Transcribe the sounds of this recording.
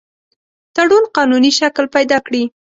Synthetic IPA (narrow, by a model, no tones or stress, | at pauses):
t̪aɽunqɑnuniʃaklpajd̪ɑkɽi